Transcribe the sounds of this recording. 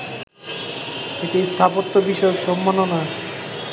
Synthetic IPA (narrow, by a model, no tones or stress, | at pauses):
eʈist̪ʰapot̪ːobiʃɔokʃɔmːanona